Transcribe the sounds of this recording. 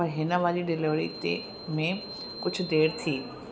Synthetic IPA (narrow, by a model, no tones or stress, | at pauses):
ɔɦɪnəʋaːliɖɪlɪʋɽḭt̪ḛ | mẽ | kʊd͡ʑʱʰʊɖeːɾt̪ʰiː